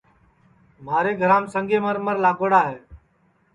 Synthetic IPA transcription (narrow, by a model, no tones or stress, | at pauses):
m̤aːɾeːɡʱəɾãːmsəŋɡʱeːməɾməɾlaːɡoːɽaːɦeː